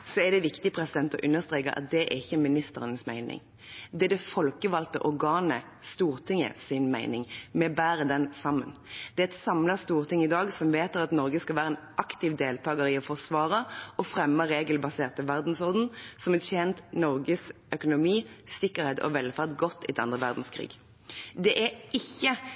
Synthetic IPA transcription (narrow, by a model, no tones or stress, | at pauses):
sɔɛd̪ɛʋɪkt̪ɪpʰɾɛsɪd̪ɛnt̪ɔʔʉnːəʁst̪ɾeːkəɾɑ̰t̪̚d̪ɛʔæ̰ɪçːəmɪnɪst̪əɾənəsmæɪnɪ̰ŋ | d̪ɛæd̪ɛfɔlkəʋɑlt̪ə̰ʔɔɾɡɑːnə | st̪uːʁt̪ʰɪŋːə̰sɪnmæɪnɪŋmɛbæːʁəd̪ɛnsɑmːənd̪̥ɛæɛt̪sɑmlɑst̪uːʁt̪ʰɪŋːɪd̪ɑːɡsɔmʋeːt̪əʁɑt̪nɔɾʁɡəskɑlʋæːɾəɛnʔɑkt̪ɪʋd̪eːlt̪ʰɑːɡəɾɪɔfɔʁsʋɑːʁəɔfʁɛmːəʁeːɡəlbɑseːʁt̪əʋæʁd̪n̩sɔʁd̪n̩sɔmɛtjɛːnt̪nɔɾɡəs | œkʊnʊmiːsɪkːəʁhɛːt̪ʰɔ̰ʋɛlfæʁd̪ɡɔt̪ːɪt̪ɑ̰nd̪ʁəʋæ̰ʁd̪n̩skʰʁḭːɡ | d̪ɛʔæɪçːə